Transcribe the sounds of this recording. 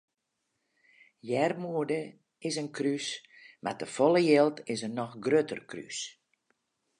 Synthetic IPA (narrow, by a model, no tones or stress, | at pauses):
jɛrmuədə | ɪsənkʰrys | ma̰rtəfɔlˠəjelˠtʰɪsənɔxɡrøtʰə̰rkry̰s